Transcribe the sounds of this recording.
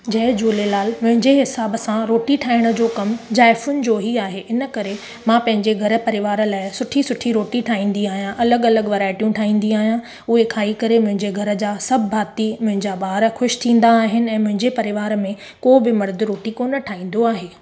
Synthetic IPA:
d͡ʑɐɦd͡ʑuːlelaːlmʊ̃ɦɪ̃ɲd͡ʑeɦɪsaːbəsãɾoːʈiʈʰaːɪɽ̃ə̆d͡ʑoːkɐmd͡ʑaːɪfʊnɪ̆d͡ʑoːɦiaːɦeʔɪnə̆kɐɾe | mãpɐ̃ɦɪ̃ɲd͡ʑeɡʱɐɾə̆pɐɾɪʋaːɾə̆laːɪsʊʈʰisʊʈʰiɾoːʈiʈʰaːĩːn̆d̪iaːɦijãʔɐləɡɐləɡʋɐɾaːɪʈijũʈʰaːĩːn̆d̪iaːɦijã | ʊɦekʰaːikɐɾemʊ̃ɦɪ̃ɲd͡ʑeɡʱɐɾə̆d͡ʑaːsɐbːʱaːt̪imʊ̃ɦɪ̃ɲd͡ʑaɓaːɾxʊʃt̪ʰĩːn̆d̪aːɦɪnɪ̆ɛ̃ːmʊ̃ɦɪ̃ɲd͡ʑepɐɾɪʋaːɾmẽ | koːbɪmɐɾd̪ɪɾoːʈikoːnəʈʰaːĩːn̆d̪oaːɦeː

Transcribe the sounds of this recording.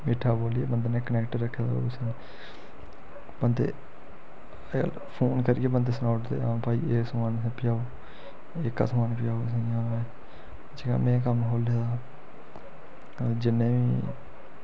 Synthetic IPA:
meːʈʰːaːboːliḛːbənd̪aːnẽːkənɛːkʈəɾːəkʰːeːd̪a̰ːo̰sen | bənd̪ḛː | ə̰l | pʰoːnkəɾːeːbənd̪eːsnaːʈt̪ḛːãːpaːiːeːksəmaːnspɪjaːoː | ekːa̰ːsmaːnpɪjaːosẽãːʋeː | d͡ʒeːɡa̰ːmɛ̃ːk̬əmɦoːleːd̪aː | d͡ʒɪnːẽːʋiː

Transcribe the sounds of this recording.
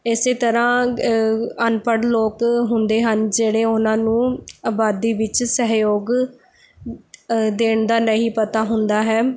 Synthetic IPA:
ɪseːt̪əɾãː | ənpəɽloːkɦʊnd̪eːɦənd͡ʒeːɽeːʊnãːnũːaːbaːd̪iːʋɪt͡ʃsəɦjoːɡ | d̪eːɳd̪aːnəɦĩːpət̪aːɦʊnd̪aːɦɛː

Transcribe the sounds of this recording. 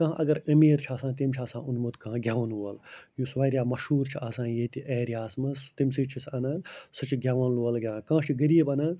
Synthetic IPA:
kɐ̃ɦãʔɐɡɐɾɐmiːɾt͡ʃʰaːsãːt̪̬imt͡ʃʰaːsãːunmut̪kɐãɡʱʲjaːʋɐnuɐljusʋaːɾʲjaːmɐʃhuːɾt͡ʃʰiʔaːsãːjet̪iʔeːɾjaːsmɐst̪imsiːt͡ʃʰisɐnɐsɨt͡ʃʰiɡʲjaːʋɐnluɐlɡʲjãːkãːt͡ʃʰiɡɐɾiːbɐnɐ

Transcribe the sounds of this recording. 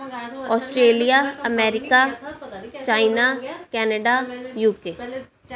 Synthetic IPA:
ɔːsʈɾeːlijaːəmɛːɾɪkaː | t͡ʃaːɪnaːkɛːnəɖaːjuːkeː

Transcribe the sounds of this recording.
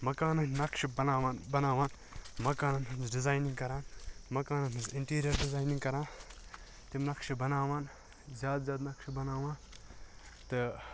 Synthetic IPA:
mɐkaːnɐnʲnɐkʃibɐnaːʋaːnbɐnaːʋaːn | mɐkaːnɐnɦɐmzɖɪzaːjnĩŋɡkɐɾaːnmɐkaːnɐnɦɐnzɪɳʈiːɾijɐɾɖɪzaːjniŋɡkɐɾãːn | t̪imnɐkʃibɐnaːʋaːn | zʲjaːd̪zʲjaːd̪nɐkʃbɐnaːʋãːn | t̪ɨ

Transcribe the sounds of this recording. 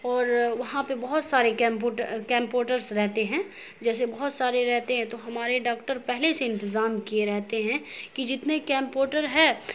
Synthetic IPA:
ɔːɾʋɐɦãpebɐɦʊt̪saːɾekɛ̃ːmpoːʈəɾkɛ̃ːmpoːʈəɾsɾɛɦt̪eɦɛ̃ː | d͡ʒɛːs̬ebɐɦʊt̪saːɾeɾɛɦt̪eɦɛ̃t̪oɦɐmaːɾeɖaːkʈəɾpɛɦleseɪ̃nt̪ɪzaːmkijeɾɛɦt̪eɦɛ̃kid͡ʒɪt̪nekɛ̃ːmpoːʈəɾɦɛː

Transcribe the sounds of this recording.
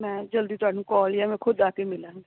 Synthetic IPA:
mɛ̃ːd͡ʒəld̪iːt̪ʊaːɖũːkɔːlaːmɛ̃ːkʰʊd̪aːkemɪlãː

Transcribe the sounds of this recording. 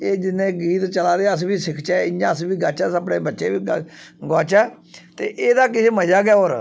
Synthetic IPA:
eːd͡ʒɪnːẽːɡiːt̪t͡ʃəlaːd̪eːəsbiːsɪkʰt͡ʃɛːɪd͡ʒãːəsbiːɡət͡ʃɛːsəpɽeːbətːʃeːbiːɡɔːt͡ʃɛː | t̪eːʔeːd̪aːkɪseːməd͡ʒaːɡɛːoːɾ

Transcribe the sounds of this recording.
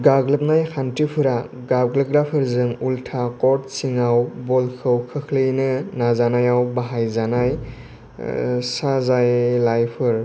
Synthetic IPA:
ɡaɡlɯp̚najkʰantipʰɯɾaɡabɡlɯp̚ɡɾapʰɯɾzɯŋultʰakɔɾt̚siŋawbɔlkʰɯwkʰɯkʰlɯjnɯnazanajawbaɦajzanaj | sazajlajpʰɯɾ

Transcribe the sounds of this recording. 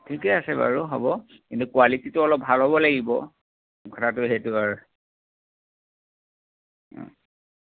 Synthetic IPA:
tʰikɛasɛba̰ɹuɦɔbɔ | kintukualititʊɔlɔp̚bʱalɦɔbɔlaɡibɔ | ɡʰɔtʰatʊeɦɛtʊaɹ

